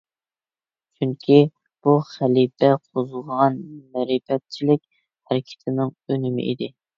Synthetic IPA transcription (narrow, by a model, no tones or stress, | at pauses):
t͡ʃʰyŋkʲʰi | b̥uχælipɛqʰozʊʁʁɑnmɛɾɪpɛt̪̚t͡ʃʰilɪk̚ʲ | hæɾɪkʲʰɪ̥t̪ʰɪnɪŋønɪmɪ̰ʔḭd̪ɪ